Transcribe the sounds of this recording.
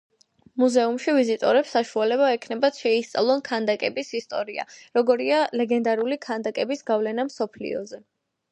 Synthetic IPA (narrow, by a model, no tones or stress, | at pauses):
muzɛumʃivizit̪ʼɔɾɛpsaʃualɛbaɛkʰnɛbat̪ʃɛist̪sʼa̰lˠɔnkʰand̪akʼɛbisist̪ʼɔɾia̰ɾɔɡɔɾialɛɡɛnd̪aɾulikʰand̪akʼɛbisɡavlɛnamsɔpʰlḭɔ̰zɛ